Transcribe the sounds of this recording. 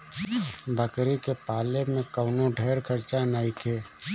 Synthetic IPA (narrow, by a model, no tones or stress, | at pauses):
bʱəkɾikepaːlemẽkəʊnõɖʱeːɾkʰəɾt͡ʃanaːikʰeː